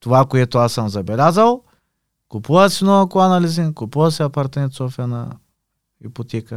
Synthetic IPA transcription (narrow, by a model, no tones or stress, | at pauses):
t̪uvakuet̪uasamzɐbelʲazɐw | kupuɐsinokuanalizinkupuɐsiapaɾt̪mẽnt̪sofiɐnɐ̰ | ipot̪ɛkə